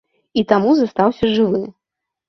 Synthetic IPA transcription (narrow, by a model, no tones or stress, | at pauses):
it̪amuzast̪awsʲɐʐɨvɨm